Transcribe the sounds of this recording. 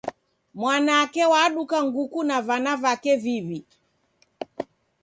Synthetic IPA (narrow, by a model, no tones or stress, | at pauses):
mwanaːkɛwaɗukaŋɡukunavanavakɛvivi